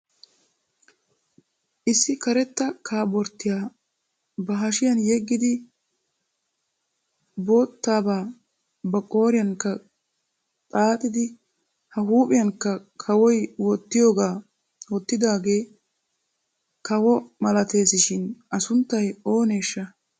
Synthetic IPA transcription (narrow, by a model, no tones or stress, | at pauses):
ʔɪsːɪkɐɾɛt̪ːɐkʰaːbɔɾt̪ːɪjaː | bɐɦɐʃɪjɐnjɛɡːɪd̪ɪ | bo̞ːt̪ːaːbaː | bɐkʼo̞ːɾɪjɐŋkːɐ | t̪ʼaːt̪ʼɪd̪ɪ | hɐɦuːpʼɪjɐŋkːɐkʰɐwɔjwɔt̪ːɪjo̞ːɡaː | wɔt̪ːɪd̪aːɡe̞ː | kɐwɔmɐlɐt̪e̞ːsɪʃɪnɐsʊnt̪ːɐjo̞ːne̞ːʃːɐ